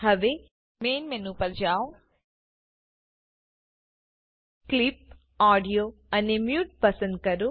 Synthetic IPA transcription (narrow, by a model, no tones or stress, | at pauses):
ɦɐʋe | meːnmenupɐɾd͡ʒaːw | klip̚ | aːɖijoː | ɐnemjuːʈ̚pɐsɐn̚kɐɾu